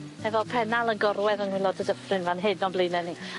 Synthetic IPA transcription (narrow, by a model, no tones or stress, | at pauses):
ɛvɔlˠpʰɛnalˠənɡɔrwɛðənwilˠɔdʰədəfrɨnvanɦɨdnɔblɨːnɛni